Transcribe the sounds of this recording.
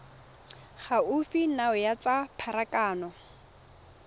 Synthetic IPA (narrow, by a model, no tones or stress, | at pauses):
χaufinaʊjat͡sapʰaɾakaːnɔ